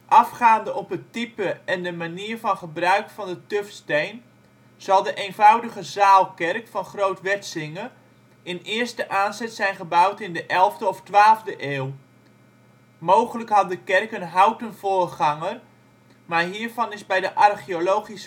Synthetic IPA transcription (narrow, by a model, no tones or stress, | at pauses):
ʔɑfχaːndəʔɔpətipəɛndəmaniːrvɑnχəbrœɥkfɑndətøfstejn | z̥ɑlˠdəʔejnvawdəɣəzaːlˠkɛrkfɑnχrowtʋɛtsɪŋə | ɪnɪərstəʔaːnzɛtsɛjnχəbawtɪndəʔɛlˠvdəɔftʋaːlˠvdəʔeːw | mowχələkɦɑt̚dəkɛrkənɦawtənv̥oːrχɑŋər | maɹɦiːəɹvɑnɪzbɛjdəʔɑrχiolowχis